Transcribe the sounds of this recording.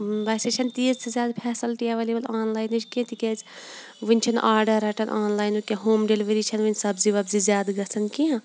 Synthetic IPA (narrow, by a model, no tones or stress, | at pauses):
ʋaːset͡ʃʰɐnt̪iːzsezʲjaːd̪pʰɛːsɐlʈijaʋɐlibɐlaːnlaːjnut͡ʃʰkiɐ̃t̪ikʲez | ʋɨnʲt͡ʃʰɐnʔaːɾɖɐɾɐʈɐnʔaːnlaːjnukʲeɦoːmɖeliʋɐɾiːt͡ʃʰɐnʋɨnʲsɐbziʋɐbzizjaːd̪ɡɐsʰɐnkiã